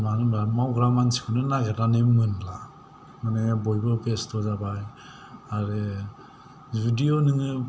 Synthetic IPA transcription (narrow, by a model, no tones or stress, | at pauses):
manɯamawɡɾamansi̥kʰɔnɯnaɡetanemɯnla | manebɔjbɯpʰestɔzabaj | aɾɯ | bidionɯŋɯ